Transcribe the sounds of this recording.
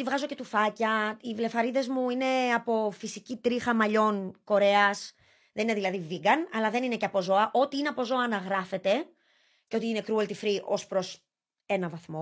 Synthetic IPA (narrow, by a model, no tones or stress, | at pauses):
t̪ivɣɐzo̞ce̞t̪ufɐcɐivle̞fɐɾiðe̞zmuine̞ɐpo̞fisicit̪ɾixɐmɐʎo̞nko̞ɾe̞ɐs | ðe̞nine̞ðilɐðiviɡɐnɐlɐðe̞nine̞ceɐpo̞zo̞ɐʔo̞t̪iineɐpo̞zo̞ɐːnɐɣɾɐfe̞t̪e̞ | ceo̞t̪iinekɾuɐlt̪ifɾiʔo̞spɾo̞s | e̞nɐvɐθmo̞